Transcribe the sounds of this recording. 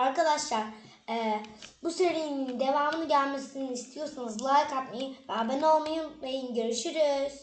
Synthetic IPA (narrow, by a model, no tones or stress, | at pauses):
aɾkad̪aʃlˠaɾ̥ | ɛːbuseɾijinind̪e̞vaːmɯnɯɟælʲme̞siniist̪ʰijo̞sunuzlˠaːkʰat̪mejivɛbeno̞lˠmajɯmbejinɟøɾyʃyɾyz̥